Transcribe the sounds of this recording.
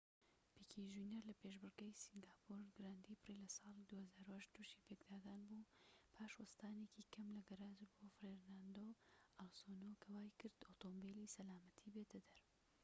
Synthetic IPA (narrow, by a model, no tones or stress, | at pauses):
pikʰiʒineɾlɐpeʃbɨɾɡejsiŋɡaːpʰuɾɡɨɾaːnd̪ipʰɨrilɐsɑːlˠid̪uːhɐzaːɾuhɐʃt̪ʰuʃiːpeɡd̪aːd̪aːnbupʰaːʃwɐst̪aːnekikʰɐmlɐɡɐɾaːzbofɾeɾnaːnd̪oːalsonokʰɐwaːjkɨɾd̪̥ot̪ombelisɐlaːmɐt̪ʰibeːd̪ɐd̪ɐɾ